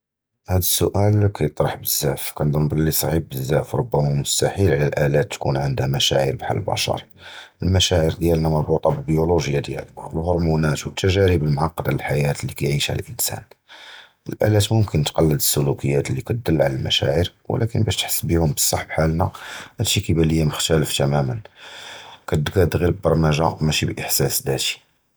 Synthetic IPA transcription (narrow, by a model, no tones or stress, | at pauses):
hæd̪əsːʊʔælkʰæjət̪ˤɾˤɑħbəzːæfkænd̪ənb̪ɑlːisˤɑʕib̚bəzːæfɾˤobːæmamʊst̪æħilʕlælʔælæt̪ːkunʕənd̪hæmæʃæ̰ʕḭɾbħa̰ləlbɑ̰ʃɑ̰ɾˤ | əlmæʃæʕəɾd̪jælnæmæbut̪ˤɑbəlbəjuluʒjad̪jæ̰llhoɾˤmunæt̪wət̪ʰːæʒæɾibəlmʕɑqːd̪aləlħajæt̪lːikæjʕiʃhæ̰l̰lʔənsæ̰n | əlʔæ̰læt̪mʊmkʰənt̪qɑlːəd̪əsːʊlukʰəjːæt̪əlːikæt̪̚d̪əlːʕalælmæ̰ʃæ̰ʕiɾwə̰lʔækənbæʃt̪ħə̥sːbihʊmbəsˤːɑħbħalnæhæd̪ʃikæbæləjːæməxt̪æləft̪æmæmən | kæt̪̚d̪ɡæd̪ɣiɾbbɑɾˤmæʒæmæʃibʔəħsæsd̪æt̪i̥